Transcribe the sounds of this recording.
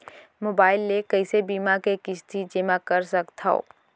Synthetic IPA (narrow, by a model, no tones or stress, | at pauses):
moːbaːɪlːekɐɪsebiːmakekɪt͡ʃt̪ʰid͡ʒɪmakɐɾsɐkt̪ʰao̰ː